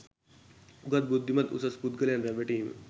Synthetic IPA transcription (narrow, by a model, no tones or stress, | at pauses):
uɡɐt̪̚bud̪ʱːimɐt̪ṵsɐspud̪ɡəljanɾɛʋeʈiːm